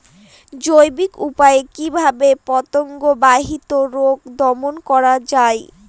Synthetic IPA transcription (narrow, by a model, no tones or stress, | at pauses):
d͡ʑojbikupaekibʱabepɔt̪oŋɡobaɦit̪oɾoɡd̪ɔmonkɔɾad͡ʑae